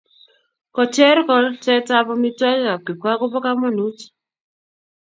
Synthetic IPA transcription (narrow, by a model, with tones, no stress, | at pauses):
kɔ˨t͡ʃɛ˦ɾkɔ˨ltɛ˦ta˦bɔ˦mi˦twa˦kka˨ki˨kwa˦kʊ˦pɔ˦ka˦mɔ˦nu˦t͡ʃ